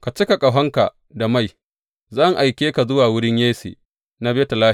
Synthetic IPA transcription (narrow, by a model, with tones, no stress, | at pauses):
ka˨t͡ʃi˦ka˨kʼa˨ɦɐ˦ŋka̰˨ | da˨ma˦˨j | zɐ˦˨ŋʔa˨jkʲeː˦ka˨zʊ˦waː˨wʊ˦ɽɪ˦ɲjeː˦sḛː˨ | na˦be˦ta˨laː˦˨